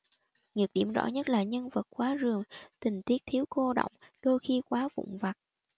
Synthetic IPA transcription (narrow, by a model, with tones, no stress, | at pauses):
ŋi˨˩ək̚ɗi˧˩əmzɔ̰˧˥ɲə˦˥t̚laː˨˩ɲə˧nvə˨˩t̚kwaː˨˦zɨ˨˩əŋt̪ï˨˩ŋ̟t̪i˦˥ək̚t̪ʰi˨˦əwko˧ɗo̰˧˨wŋ͡mɗo˧jxi˧kwaː˨˦vʊ̰˧˨ŋ͡mva˨˩t̚